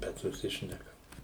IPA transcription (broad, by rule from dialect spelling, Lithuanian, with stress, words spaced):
ˈbʲɛt sʊˈsʲɪʃʲnʲɛkɐm